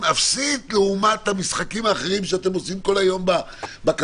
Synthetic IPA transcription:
afsit̪leumat̪hamisχakimaːχeʁimʃeat̪e̞mo̞simko̞lajo̞mba | bak

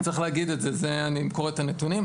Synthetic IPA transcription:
t͡seχleaɡid̪etzezeanikoʁet̪anetunim

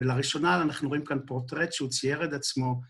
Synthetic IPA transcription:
elaʁiʃo̞nalanaχnuʁo̞imkanpoʁt̪ʁet̪ʃeut͡sijeʁet̪at͡smo̞

